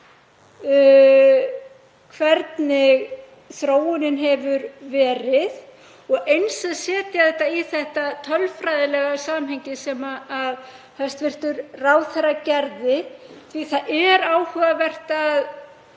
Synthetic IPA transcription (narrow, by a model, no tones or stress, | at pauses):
kʰvɛɾt̪nɪɣ | θɾoːwʏnɪnɦɛvʏɾvɛːɾɪð | ɔɣejnsaðsɛːt̪jaθɛht̪ːaiθɛht̪at̪ʰœlfɾajðɪlɛɣasaːmhɛjɲcɪsɛmaːð | hɛst̪vɪr̥t̪ʏɾraːwθɛɾacɛɾðɪθviθaðʔɛɾaːwhœːɣavɛr̥t̪ːð